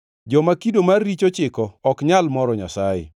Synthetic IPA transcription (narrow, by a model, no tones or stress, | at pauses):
d͡ʒɔmakidomarːit͡ʃot͡ʃɪkɔːkɲalmɔɾɔɲa̰sajɪ̰